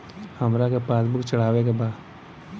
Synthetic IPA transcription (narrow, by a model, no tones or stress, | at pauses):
həmɾakepaːsbʊkt͡ʃəɽ̤aːʋek̬ebaːd̪